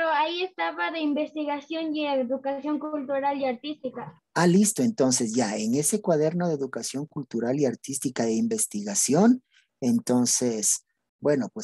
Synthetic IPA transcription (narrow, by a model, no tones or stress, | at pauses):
ɾoaiest̪aβaðeimbest̪iɣasjoŋjeeðukasjo̞ŋkult̪uɾaliaɾt̪ist̪ika | alist̪o̞e̞nt̪o̞nse̞s̬ʝae̞ŋe̞se̞kwaðe̞ɾno̞ðeðukasjo̞ŋkult̪uɾaliaɾt̪ist̪ikaðeimbe̞st̪iɣasjo̞n | ent̪o̞nses | bwe̞no̞pwes